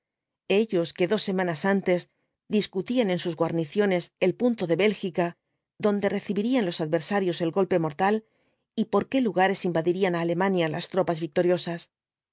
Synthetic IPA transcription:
e̞ʎo̞ske̞ðo̞sːe̞mãnasant̪e̞s | d̪iskut̪ianẽ̞nsuzɣwaɾniθjo̞ne̞se̞lpunt̪o̞ðe̞βe̞lxika | ðo̞nd̪e̞re̞θiβiɾianlo̞saðβe̞ɾsaɾjo̞se̞lɡo̞lpe̞mo̞ɾt̪al | ipo̞ɾke̞luɣaɾe̞simbaðiɾianaːle̞mãnjalast̪ɾo̞pazβik̚t̪o̞ɾjo̞sas

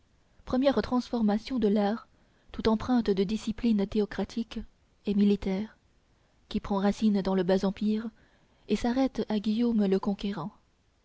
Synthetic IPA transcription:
pχəmjɛʁt̪χɑ̃sfɔʁmasjɔ̃d̪əlaːʁ | t̪ut̪ɑ̃pχɛ̃t̪d̪əd̪isiplint̪eɔkχat̪ʰik | emilit̪ɛːʁ | kʲipχɑ̃ʁasind̪ɑ̃ləbazɑ̃piʁ | esaʁɛt̪aɡʲijomləkɔ̃kʲeʁɑ̃

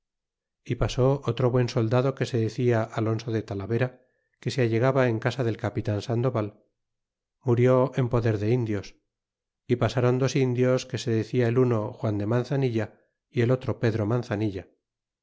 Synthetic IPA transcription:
ipaso̞ʔot̪ɾo̞βwe̞nso̞ld̪aðo̞ke̞se̞ðeθiaʔalo̞nso̞ðe̞t̪alaβe̞ɾa | ke̞seaʎe̞ɣ̞aβae̞ŋkasaðe̞lkapit̪ansand̪o̞βal | muɾjo̞e̞mpo̞ðe̞ɾðe̞ind̪jo̞s | ipasaɾo̞nd̪o̞sind̪jo̞ske̞se̞ðeθiaeluno̞xwand̪emanθaniʎa | ie̞lo̞t̪ɾo̞pe̞ðɾo̞manθaniʎa

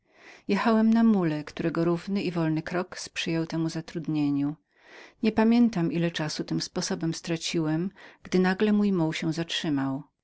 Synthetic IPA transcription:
jɛxawɛmnamulɛkt̪uɾɛɡɔɾuvnɘivɔlnɘkɾɔkspʂɘjɛwt̪ɛmuzat̪ɾud̪ɲeɲu | ɲɛpamʲjɛnt̪amʔilɛt͡ʂasut̪ɘmspɔsɔbɛmst̪ɾat͡ɕiwɛmɡ̥d̪ɘnaɡlɛmujmuwɕɛw̃zatʂɘmaw

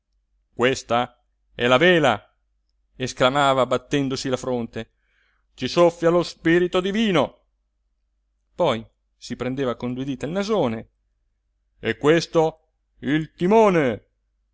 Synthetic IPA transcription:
kwest̪a | ɛlaveːla | esklamaːvabat̪ːɛnd̪osilafɾont̪e | t͡ʃisofːjalospiɾit̪od̪iviːno | pɔj | sipɾend̪eːvakond̪wid̪iːt̪ailnazoːne | ɛkːwest̪o | ilt̪imoːne

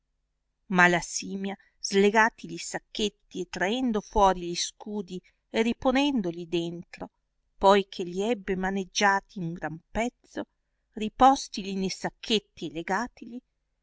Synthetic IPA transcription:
malasiːmja | zleɡaːt̪ilʎisakːet̪ːiet̪ːɾaɛnd̪ofwɔːɾiʎiskuːd̪i | eriponɛnd̪olid̪ent̪ɾo | pɔjkʰeʎiɛbːemaned͡ʒːaːt̪ʰiuŋɡɾampɛt̪so | ripɔst̪ilinesakʰːet̪ːieleɡaːt̪ili

